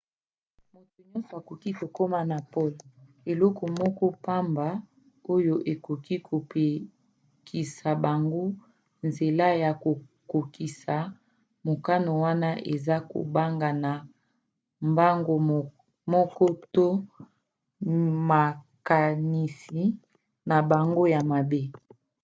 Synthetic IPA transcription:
mo˨tu˨ɲɔ̃˦nso˨a˨ko˨ki˦ko˨ko˦ma˦na˨po˦lo˨ | e˨lɔ˦kʰɔ˨mɔ˦kɔ˦pa˦mba˨ | o˦jo˦ʔe˨ko˨ki˦kʰo˨pe˨ | kʰi˨sa˨ba˨ŋɡo˦ | nze˨la˦ja˨ko˨ | ko˨ki˨sa˨ | mo˨ka˦no˨wa˦na˦ʔe˨za˦ko̰˨ba˦ŋɡa˨na˨ | mba˦ŋɡo˦ | mɔ˦kɔ˦to˦ | ma˨ | ka˨ni˨si˨ | na˨ba˨ŋɡo˦ja˨ma˨be˦

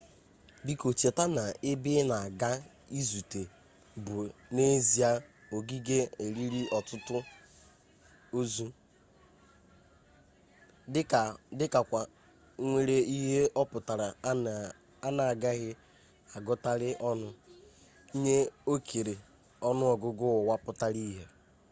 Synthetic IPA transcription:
di˦ko˨t͡ʃe˨ta˦na˨ɪ˦bɪ˦na˨a˨ɡa˦ | i˦zu˨te˨ | bʊ˨ne˦zi˨a˦ | o˨ɡi˦ɡe˦e˨ɾi˦ɾi˦ɔ˨tʊ˦tʊ˦ | o˦zu˦ | ɪ˦ka˨dɪ˦ka˨kʷa˨˦ | ŋʷe˦ɾe˦i˦ɦe˦ʔɔ˦pʊ˨ta˨ɾa˨ | a˦na˨a˨ɡa˦ɣɪ˦ | a˨ɡʊ˦ta˦ɾɪ˦ʔɔ˦nʊ˦ | ɲe˦o˦kʰe˨ɾe˨ | ɔ˦nʊ˦ɔ˨ɡʊ˦ɡʊ˦˨wa˦pʊ˦ta˦ɾi˦ɦe˦

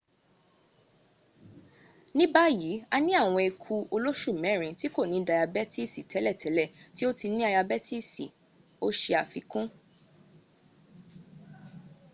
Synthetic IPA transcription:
nĩ˦ba˦ji˨˦a˧nĩ˦a˦˨w̃ɔ̃˧e˧kʰu˧o˧lo˦ʃu˦˨mɛ̃˨˦˨ɾ̃ĩ˨˦ti˦ko˦˨nĩ˨˦da˧ja˧bɛ˦ti˦˨si˨tʰɛ˨˦lɛ˦˨tʰɛ˨˦lɛ˦˨ti˦o˦ti˧nĩ˦a˧ja˧bɛ˦ti˦si˨ | o˦ʃe˧a˨fi˧kũ˦

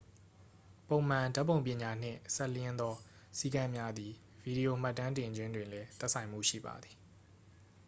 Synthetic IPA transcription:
põ˨ʊ̃m̥ã˨da˦ʔpːõ˨ʊ̃mpjɪ̃˨ɲa˨n̥ɪ̰̃˦˨sɛ˦˨ljɪ̃˦nd̪ɔ˦ | si˦kã˦mja˦d̪i˨ | vi˨di˨o˨m̥a˦tːã˦ntɪ̃˨d͡ʑwɪ̃˦ndwɪ̃˨lɛ˦t̪ɛ˦ʔsʰã˨ɪ̃m̥ṵ˦˨ʃḭ˦˨ba̰˨d̪i˨

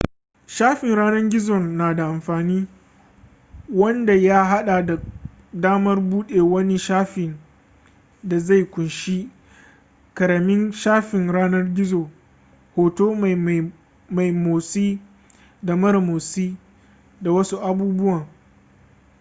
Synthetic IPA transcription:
ʃaː˦ɸɪ˨nɽaː˦nɐ˦ŋɡʲɪ˦zɔ˨naː˨da˨ʔa˨mɸaː˨niː˦ | wɐ˦nda˨jaː˦ɦa˦ɗa˨da˨ | daː˦mɐ˦rbuː˦ɗeː˨wɐ˦ni˦ʃaː˦ɸɪ˨n | da˨za˦˨jkʷʊ˨nʃi˦ | kɐ˨ɾɐ˨mɪ˦ŋʃaː˦ɸɪ˨ŋɽaː˦nɐ˦rɡʲɪ˦zoː˨ | hoː˨toː˦m˨ | ma˨jmoː˨siː˦ | da˨mɐ˦ɾmoː˨siː˦ | da˨wɐ˦su˦ʔa˨buː˦bʊ˦waː˨ŋ

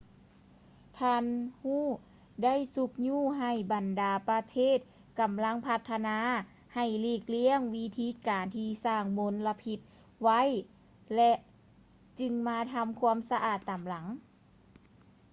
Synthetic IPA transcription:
t̪ʰaː˧˥nhuː˥˩ | da˥˨jsu˧k̚ɲuː˧˥˩ɦa˨˩jba˨˩ndaː˨˩pa˧t̪ʰeː˥˩˨t̪̚ | ka˨˩mla˧˥˨ŋpʰa˧t̪ʰːa˧naː˧˥ | ha˨˩jliː˧˩k̚li˧˥˨əŋwi˧˥t̪ʰiː˧˥kaː˨˩nt̪ʰiː˧saː˧˩ŋmo˧˥nla˧pʰi˧t̪̚ | wa˧˥˨j | lɛ˧ʔ | t͡ɕɯ˧ŋmaː˧˥t̪ʰa˧˥mkʰu˧˥əmsa˧ʔaː˨˩t̪ːa˨˩mla˨˩˦ŋ

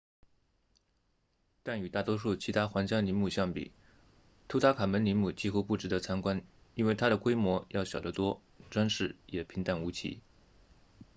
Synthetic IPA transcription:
t̪a˥˩ny˨˩t̪a˥˩t̪wɔ˥ʂu˥˩t͡ɕʰi˧˥t̪ʰa˥xwa˧˥ŋt͡ɕjɑ˥ŋni˧˥nmu˥˩ɕjɑ˥˩ŋpḭ˨˩˦ | t̪ʰu˧˥t̪ʰa˥kʰa˨˩mə˧˥nli˧˥nmu˨˩t͡ɕi˥xu˥pu˥˩ʈ͡ʂɻ̩˧˥d̪ə˧˥t͡sʰa˥nkwa˥n | i˥nwe˥˩ɪt̪ʰa˥ɾə˨kwe˥ɪmwɔ˧˥jɑ˥˩ʊɕjɑ˨˩d̪ə˦t̪wɔ˥ | ʈ͡ʂwa˥nʂɻ̩˥˩jɛ˨˩pʰi˧˥ŋt̪a˥˩nu˧˥t͡ɕʰḭ˧˥

